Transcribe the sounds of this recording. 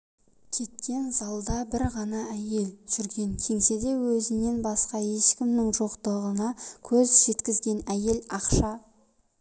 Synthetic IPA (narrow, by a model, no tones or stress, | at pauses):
kʲʰe̞t̪̚kʲe̞nzɑlˠd̪ɑbɪɾʁɑnɑæje̞lʒ̥ʏɾɡʲe̞ŋkʲʰe̞ŋse̞d̪e̞wɵzɪne̞nbɑsqɑe̞ʃkʲɪmnɪŋʒoqt̪əʁənɑkʲʰɵzʒe̞t̪kʲɪzɡʲe̞næje̞lɑqʃɑ